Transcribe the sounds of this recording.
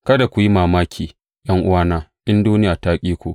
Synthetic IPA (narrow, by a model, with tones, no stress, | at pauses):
kɐ˦da˨kʷu˨ji˦maː˨maː˦kʲʰiː˨ | jɐ˦ŋʔʊ̰˦waː˦naː˦ʔɪ˦nduː˦nɪ˦jaː˨taː˦kʲʼiː˦kʷu˨